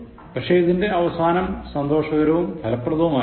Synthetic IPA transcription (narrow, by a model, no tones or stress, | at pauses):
pɐkʂeiðinde̞ɐʋɐsaːnɐmsɐnd̪o̞ːʂɐɣɐɾɐʋumt̪ʰɐlɐpːrɐðɐʋumaː